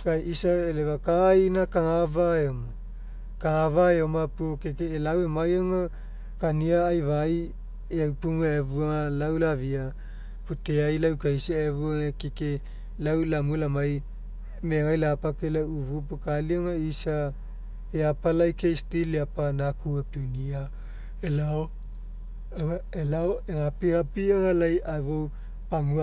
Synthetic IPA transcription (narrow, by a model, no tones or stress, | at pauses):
kajʔisaelevakainakahavaeoma | kaavaeomapuokekeːlawemajoŋa | kaniaːjvaj | eawpuŋaevuaalawlavia | puteajlawkaisiaevuoekeke | lawlamulamaj | meŋajlapakelauvupukalioŋaisa | eapalajkejstiliapanakuepinia | elao | elaoeɾapiɾapioŋalajʔavow | paŋua